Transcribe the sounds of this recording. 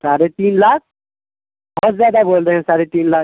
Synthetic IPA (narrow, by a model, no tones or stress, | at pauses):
saɾet̪iːnlak̚ | ɦɔt̪zjad̪abold̪eɦɛ̃saɾet̪iːnla